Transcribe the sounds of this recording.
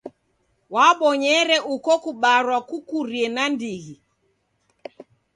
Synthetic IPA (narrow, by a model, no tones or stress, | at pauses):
waɓɔɲɛɾɛʔukɔkuɓaɾwakukuɾiɛnandiɣi